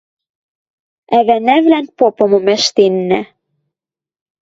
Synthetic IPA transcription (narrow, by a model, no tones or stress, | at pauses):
æβænæβlænpopɤ̆mɤ̆mæʃt̪enːæ